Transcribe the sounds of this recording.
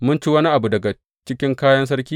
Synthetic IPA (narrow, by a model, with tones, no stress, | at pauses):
mʊ˦nt͡ʃiː˦wɐ˦ni˦ʔa˨bu˨dɐ˨ɡa˨ | t͡ʃɪ˦kʲɪ˦ŋkaː˦jɐ˦ns̬ɐ˦ɽkʲiː˦